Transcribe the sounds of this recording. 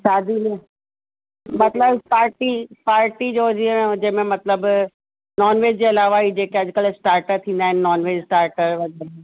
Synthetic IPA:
ʃaːd̪ʱili | mɐt̪ləbpaːɾʈipaːɾʈid͡ʑoːd͡ʑied͡ʑemẽmɐt̪ləb | nɔːnʋeːd͡ʑd͡ʑeːɐlaːʋaid͡ʑeːkeɐd͡ʑkəlsʈaːɾʈəɾt̪ʰĩːn̆d̪aːɦɪnɪnɔːnʋeːd͡ʑsʈaːɾʈəɾʋɐɡəɾ

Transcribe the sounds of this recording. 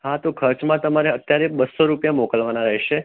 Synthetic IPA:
ɦat̪okʰəɾt͡ʃmãt̪əmaɾeət̪jaɾebəsːoɾupjamɔkəlʋanaɾəɦeʃe

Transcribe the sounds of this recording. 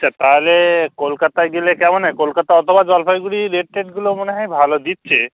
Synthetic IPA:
aat̪aɦlekolkat̪ajɡelekɛmɔnekolkat̪aɔt̪ʰobad͡ʒalpʰajɡuɽiɾeʈ̚ʈeʈɡulomoneɦajbʱalod̪it̪̚ːt͡ʃʰe

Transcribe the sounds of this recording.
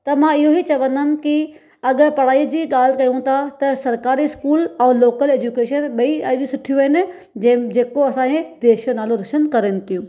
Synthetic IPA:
t̪ɐmãɪɦoɦit͡ɕɐʋə̃nd̪m̆ki | ɐɠ̆pɐɽ̤aːiːd͡ʑiːɠaːl̤kɐjũt̪ʰat̪ɐsɐɾkaːɾiɪskuːlɛ̃ːloːkəleːd͡ʑukeːʃənɓɐiɐɗũsʊʈʰijuʋɦɪnɪ̆ | d͡ʑɐ̃d͡ʑeːkoɐsãːkẽd̪eːʃjonaːlõɾʊʃənkɐɾenɪ̆t̪ʰijũː

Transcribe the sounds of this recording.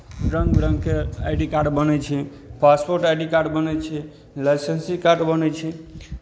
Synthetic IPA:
ɾəŋɡɾəŋɡkeajɖikaɾɖbənɛt͡ʃʰɛ | paspoɾʈajɖikaɾɖbənɛt͡ʃʰɛ | lajsensikaɾɖbənɛt͡ʃʰɛ

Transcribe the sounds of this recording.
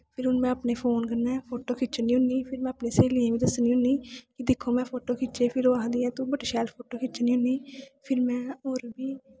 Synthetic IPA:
pʰɪɾʊnmɛ̃ːəpneːpʰoːnkənːɛːpʰoːʈoːkʰɪt͡ʃəniːɦʊniːpʰɪɾmɛ̃ːəpneːseːliːɛ̃ːʋiːd̪əsniːɦʊniːkɪd̪ɪkʰːoːmɛ̃ːpʰoːʈoːkʰɪt͡ʃeːpʰɪɾoːaːd̪iːɛ̃ːt̪õːbəʈːʃɛːlpʰoːʈoːkʰɪt͡ʃniːɦʊniːpʰɪɾmɛ̃ːoːɾbiː

